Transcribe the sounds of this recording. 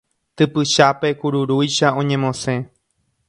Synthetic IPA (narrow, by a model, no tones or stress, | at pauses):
t̪ɨpɨʃape̞kuɾuɾujʃaõ̞ɲẽ̞mõ̞sẽ̞